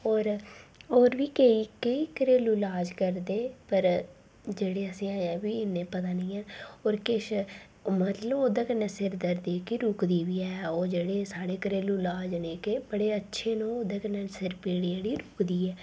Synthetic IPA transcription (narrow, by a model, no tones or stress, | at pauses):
ɔːɾoːɾʋiːkəiːkəiːkəɾeːluːlaːd͡ʒkəɾd̪eːpəɾ | d͡ʒeːɽeːəsĩːãːɛːʋiːɪnːeːpət̪̬aːnĩːɛːoːɾkɪʃ | mət̪ləboːd̪ãːkənesɪɾd̪əɾd̪iːkiɾʊkd̪iːʋiːɛːoːd͡ʒeːɽeːsaːɽeːkəɾeːluːlaːd͡ʒneːkebəɽeːətːʃʰeːnõːoːd̪eːkənɛsəɾpeːɽieːɽiːɾʊkd̪iːɛː